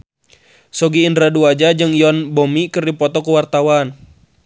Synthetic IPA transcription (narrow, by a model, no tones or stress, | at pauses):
sɔɡiːndɾaduad͡ʒad͡ʒɨŋjɔnbɔmikɨrdipɔt̪ɔkuwart̪awan